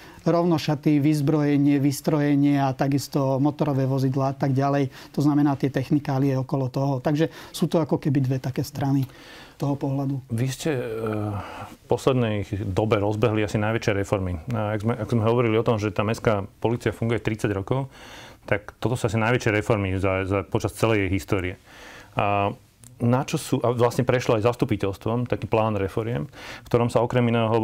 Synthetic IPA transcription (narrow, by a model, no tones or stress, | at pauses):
ɾɔʊnɔʃat̪iʋizbɾɔjɛɲɪɛʋist̪ɾɔjɛɲɪɛat̪aɡist̪ɔmɔt̪ɔɾɔʋɛːʋɔzid̪laːat̪aɡɟalɛjt̪ɔznamɛnaːt̪ɪɛt̪ɛxnikaːliɛɔkɔlɔt̪ɔɦɔt̪aɡʒɛsuːt̪ɔakɔkɛbid̪ʋɛt̪akɛːst̪ɾani | s | t̪ɔɦɔpɔɦlad̪uʋiscɛ | fpɔslɛd̪nɛjd̪ɔbɛɾɔzbɛɦliasinajʋɛt͡ʃɪɛɾɛfɔɾmiaɡzmɛʔakzmɛɦɔʋɔɾiliɔt̪ɔmʒɛt̪aːmɛskaːpɔliːt͡siafuŋɡujɛt̪ɾit͡saɟɾɔkɔʊt̪akt̪ɔt̪ɔsuasinaɪjʋɛt͡ʃjɛɾɛfɔɾmizazapɔt͡ʃast͡sɛlɛjɛjɦist̪ɔːɾiɛ | nat͡ʃɔsuːʔaʋlasɲɛpɾɛʃlɔajzast̪upicɛlst̪ʋɔmt̪akiːplaːnɾɛfɔɾɪɛmkt̪ɔɾɔmsaɔkɾɛminɛːɦɔ